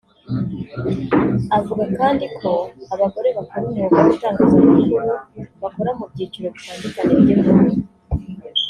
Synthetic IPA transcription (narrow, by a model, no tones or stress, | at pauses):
avuɡakaːndikʰo̞aβaɡo̞ɾe̞βakoɾumuuɡaβutaːŋɡazaiβuβakoɾamubɟiːt͡ʃuɾo̞βitaːndukaniβɟiβɡu